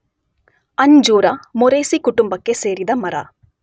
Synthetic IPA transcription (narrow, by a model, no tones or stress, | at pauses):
ɐɲd͡ʒuːɾɐmoɾeːsikuʈumbɐkːe̞se̞ːɾid̪ɐmɐɾɐ̰